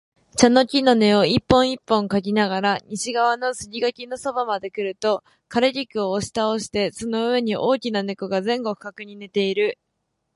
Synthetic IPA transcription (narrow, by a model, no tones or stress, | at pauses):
t͡ɕano̞kʲino̞ne̞o̞ipːõ̞ɰ̃ipːõ̞ŋkaɡʲinaɡaɾaɲ̟iɕiɡaβ̞ano̞sɨɡʲiɡakʲino̞so̞bamad̪e̞kɯ̟ɾɯ̟t̪o̞ | kaɾeɾʲikɯ̟oːɕi̥t̪ao̞ɕi̥t̪e̞so̞no̞ɯ̟e̞ɲ̟iʔo̞ːkʲinane̞koɡazẽ̞ŋɡo̞ɸɯ̟̥kakɯ̟ɲ̟ine̞t̪e̞iɾɯ̟